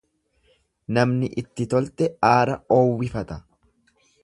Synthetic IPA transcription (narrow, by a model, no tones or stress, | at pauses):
nɐmnɪʔɪt̪ːɪt̪ɔlt̪ɛaːɾɐoːwːɪfɐt̪ɐ